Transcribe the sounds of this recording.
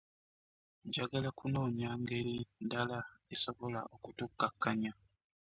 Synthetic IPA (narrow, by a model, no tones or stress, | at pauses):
ɟaɡalakuno̞ːɲaːŋɡe̞ɾindalaesoβola̰ʔokutukːakːaɲa